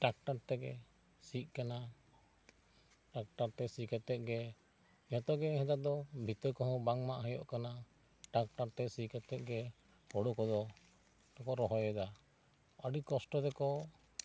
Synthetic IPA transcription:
ʈak̚ʈaɾt̪ɛɡɛ̰ | sit̪̚ˀkana | ʈak̚ʈaɾt̪ɛsikɛt̪ɛt̪̚ˀɡɛ | jɔt̪ɔɡɛɦɛd̪ad̪ɔbʱit̪ɔɾkɔɦɔ̃baŋmaʔɦɛjɔ̰ʔkana | ʈak̚ʈaɾt̪ɛsikɛt̪ɛt̪̚ɡɛ | hɔɽɔkɔd̪ɔ | ʈɔkɔɾɔɦɔjɛd̪a | aɖikɔsʈɔd̪ɛkɔ

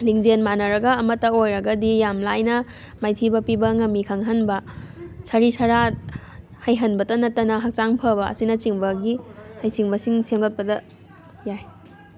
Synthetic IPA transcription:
liŋd͡ʒenmanɐɾɐɡɐːmɐtːɐojɾɐɡɐdijamlajnɐ | majtʰibɐpibɐŋɐmːikʰaŋɦɐnbɐsɐɾisʰɐɾa | hɐjɦɐnbɐdɐnɐtːɐnɐɦɐk̚t͡ʃaŋpʰɐbɐ̰ːsinɐt͡ʃiŋbɐɡihajsiŋbɐsiŋsʰeŋɡɐt̚pɐdɐ | jaj

